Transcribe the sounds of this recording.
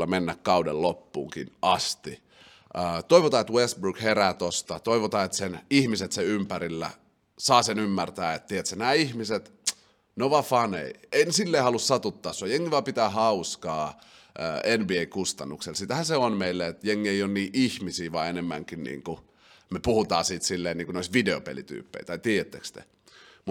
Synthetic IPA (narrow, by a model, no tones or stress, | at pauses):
lːɑmenːækkɑudḛllopːṵːŋkḭnʔɑst̪i | əːt̪oiʋot̪ɑːet̪west̪brukheræːt̪ost̪ɑt̪oiʋot̪ɑːet̪senihmiset̪seympæɾilːæ̰ | sɑːsenymːært̪æːet̪t̪iet̪sænæːihmiset̪ | noʋɑfɑnḛieinesilːeihɑlussɑt̪ut̪ːɑːsːuɑjeŋːiʋɑpit̪æːhɑuskɑː | ʔəːenbieikust̪ɑnːukselsit̪æhæseonmeilːæet̪jeŋːieijonniːʔihmisiːʋɑ̰enemːæ̰ŋkinnḭːŋku | mepuhut̪ɑ̰ːsiːt̪silːeːniːŋkunoisʋideopḛlḭt̪y̰ːpːḛit̪ɑit̪iːjet̪ːḛkst̪ḛ | mu